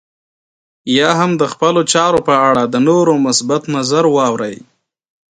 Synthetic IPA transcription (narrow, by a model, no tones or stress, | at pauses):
jɑɦamd̪əxpəlot͡ʃɑɾopəaɽad̪ənoɾomʊsbat̪nazaɾwɑwɾəj